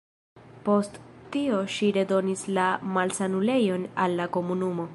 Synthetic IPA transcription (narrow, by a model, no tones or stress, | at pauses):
po̞sttio̞ʃiɾe̞do̞nislamalsanule̞jo̞nalːako̞munumo̞